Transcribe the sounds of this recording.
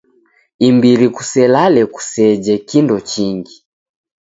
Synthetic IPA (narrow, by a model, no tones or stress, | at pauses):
imbiliku̥sɛlalɛku̥sɛd͡ʒɛkindɔt͡ʃiŋɡi